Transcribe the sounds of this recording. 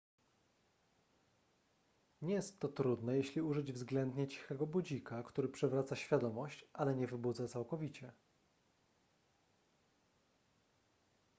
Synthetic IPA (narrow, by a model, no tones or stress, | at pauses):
ɲɛjɛst̪ːɔt̪ɾud̪nɛjɛɕlʲiuʐɘd͡ʑvzɡlɛnd̪ɲɛt͡ɕi̥xɛɡɔbud͡ʑikakt̪uɾɘpʂɛvɾat̪saɕfʲjad̪ɔmɔɕt͡ɕʔalɛɲɛvɘbud̪zat̪sawkɔvʲit͡ɕɛ